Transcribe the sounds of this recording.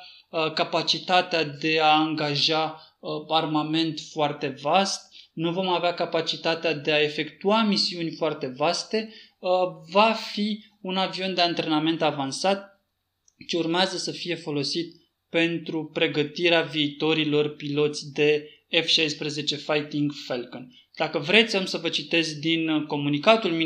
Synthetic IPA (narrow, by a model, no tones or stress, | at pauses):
kapat͡ʃit̪at̪ead̪e̞aaŋɡaʒaəarmame̞nt̪foart̪e̞vast̪nuvo̞maveakapat͡ʃit̪at̪ead̪e̞ae̞fe̞kt̪uamisiunʲfoart̪e̞vast̪e̞ | vafi | unavio̞nd̪e̞ant̪ɾe̞name̞nt̪avansat̪̚ | t͡ʃeurmeazəsəfije̞fo̞lo̞sit̪ | pe̞nt̪ɾupɾe̞ɡət̪iɾeaviːt̪o̞ɾilo̞rpilo̞t̪sʲd̪e̞ | efʃajspɾeze̞t͡ʃe̞fajt̪iŋɡfelkən | d̪̥akəvɾe̞t̪sʲamsəvət͡ʃit̪e̞zʲd̪inko̞munikat̪ulmi